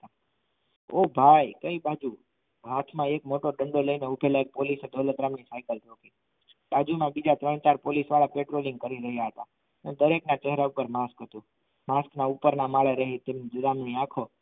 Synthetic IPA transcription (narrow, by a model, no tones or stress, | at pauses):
t̪a | obʱajkəibad͡ʒu | ɦat̪ʰmãekmoʈoɖəɳɖoləineubʱeləek̚polised̪olət̪ɾamɳisajkəltoki | bad͡ʒumãbid͡ʒat̪ɾəɳ̃t͡ʃaɾpolisʋaɭapeʈɾolĩŋɡkəɾiɾəɦjaɦət̪a | ned̪əɾeknat͡ʃɛɦɾaupəɾmaskɦət̪ũ | masknaupəɾnamaɭeɾəɦit̪emd͡ʒʊɾamɳiakʰo